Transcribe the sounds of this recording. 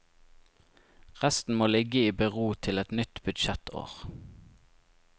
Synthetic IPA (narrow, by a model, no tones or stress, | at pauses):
ʁæst̪n̩moːlɪɡəiːbəʁuːt̪ʰɪlɛt̪nʏt̪bʉd̪ʃɛt̪ʰo̰ːʁ